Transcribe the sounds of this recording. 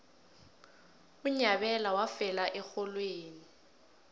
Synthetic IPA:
uɲabɛlawafɛlaʔɛxɔlweːni

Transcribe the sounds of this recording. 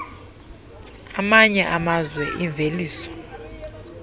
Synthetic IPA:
amaɲɛʔamazwɛʔiɱvʱeliːsɔ̥

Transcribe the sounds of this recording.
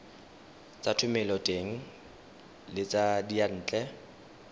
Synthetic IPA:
t͡sʼatʰʊmɛlɔtʼeŋ̩ | lɪt͡sʼadian̩ːt͡ɬʼɛ

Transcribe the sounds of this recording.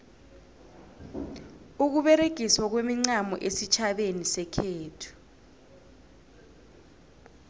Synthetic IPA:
uk̬uɓɛɾeɡ̥ʱiswak̬wemiŋ͡ǀamɔ̰ʔesit͡ʃʰaɓenisɛkʰeːtʰu̥

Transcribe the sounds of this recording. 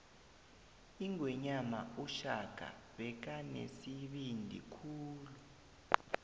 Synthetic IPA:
iŋʱwɛɲama̰uʃaɡ̥ʱa̰ɓɛk̬anḛsiɓindʱḭkʰuːlu

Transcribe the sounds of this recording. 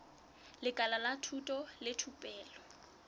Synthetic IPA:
lɪkʼalalatʰutʼɔlɪtʰupʼɛːlɔ

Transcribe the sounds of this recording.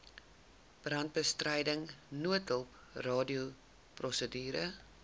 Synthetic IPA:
b̥rɐnt̚bəstrəjdəŋnuətəlˠp | rɑːdiu | prɔsədyːɾə

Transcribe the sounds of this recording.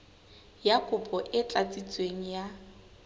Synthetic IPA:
jakʼʊpʼɔʔɪt͡ɬʼat͡sʼit͡sʼweŋ̩ja

